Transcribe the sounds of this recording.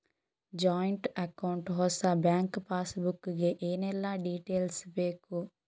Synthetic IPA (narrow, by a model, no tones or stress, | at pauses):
d͡ʒaːjɳʈɐkɐwɳʈɦɔsabjaːŋkpaːsbukːuɡeʔeːnɛlːaːɖiːʈeːlsbeːku